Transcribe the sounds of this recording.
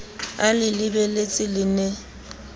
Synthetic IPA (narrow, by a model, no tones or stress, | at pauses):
alɪlɪbɛlet͡sʼɪlɪne